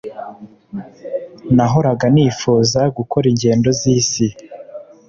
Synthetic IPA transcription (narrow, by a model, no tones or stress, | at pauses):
naɦo̞ɾaɡaniːfuːzaɡuko̞ɾiɲɟe̞ːndo̞ziːsi